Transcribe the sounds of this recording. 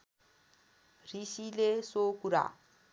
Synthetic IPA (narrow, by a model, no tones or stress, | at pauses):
risilesokuɾa̰